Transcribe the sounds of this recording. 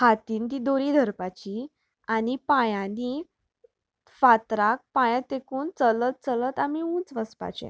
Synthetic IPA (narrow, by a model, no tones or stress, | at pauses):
hat̪iːnt̪id̪oɾid̪ʱəɾpat͡ɕi | anipãjãni | fat̪ɾak̚pãjãt̪ekuːnt͡sələt̪̚t͡sələt̪amiũːt͡sʋəspa̰t͡ɕɛ̰̃